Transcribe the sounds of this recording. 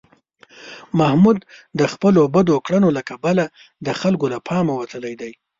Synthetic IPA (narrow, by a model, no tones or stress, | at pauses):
mahmud̪d̪əxpəlobəd̪okɽənolakabala | d̪əxalkolapʰɑmawat̪əlajd̪aj